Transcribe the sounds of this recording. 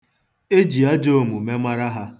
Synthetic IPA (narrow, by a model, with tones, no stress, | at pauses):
e˦d͡ʒi˨a˦d͡ʒo˦˨mu˨me˦ma˦ɾa˦ɦa˦